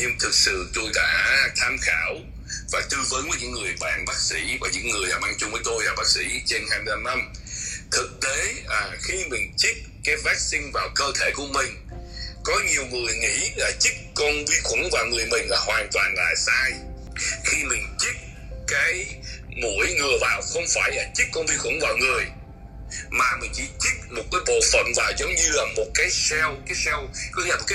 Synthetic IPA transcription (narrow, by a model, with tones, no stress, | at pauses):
ɲɨ˧ŋt̪ʰɨ˨˩k̚sɨ̰˧˨t̪o˧jɗa̰ː˧˥t̪ʰaː˧mxaː˧˩w | vaː˨˩t̪ɨ˧vəː˨˦nvəː˨˦ɲɨ̰˧˥ŋŋɨ˨˩əjɓa̰ː˧˨nɓaː˦˥k̚sḭ˧˥vaː˨˩ɲɨ̰˧˥ŋŋː˨˩əjɗa̰ː˧˥ma˧ŋt͡ɕʊ˧ŋ͡mvəː˨˦jt̪o˧jvaː˨˩ɓaː˦˥k̚sḭ˧˥t͡ɕe˧nhaː˧jmɨ˧la˧mna˧mt̪ʰɨ˨˩k̚t̪e˨˦aː˨˩xi˧mï˨˩ŋ̟t͡ɕi˦˥k̚kaː˨˦jvaː˦˥k̚sï˧ŋ̟vaː˨˩wkəː˧t̪ʰe˧˩ku˧˩əmï˨˩ŋ̟ | kɔ˨˦ɲi˨˩əwŋɨ˨˩əjŋḭ˧˥laː˨˩t͡ɕi˦˥k̚kɔ˧nvi˧xʊ˧˩˦ŋvaː˨˩wŋɨ˨˩əjmï˨˩ŋ̟laː˨˩ɦwaː˨˩nt̪waː˨˩nla̰ː˧˨jsaː˧j | xi˧mï˨˩ŋ̟t͡ɕi˦˥k̚ | kaː˨˦jmo̰˧˥əjŋɨ˨˩əvaː˨˩wxə˧wŋ͡mfaː˧˩jlaː˨˩t͡ɕi˦˥k̚kːɔ˧nvi˧xwʊ˧˦ŋvaː˨˩wŋɨ˨˩əj | maː˨˩mï˨˩ŋ̟t͡ɕḭ˧˩t͡ɕi˦˥t̚mo˨˩t̚kaː˨˦jɓo̰˧˨fə̰˧˩nvaː˨˩wzə˨˦wŋ͡mɲɨ˧laː˨˩mo˨˩t̚kaː˨˦jsɛ˧wkaː˨˦jsɛ˧wkɔ˨˦i˧˦aː˨o˨˩kːa˨˦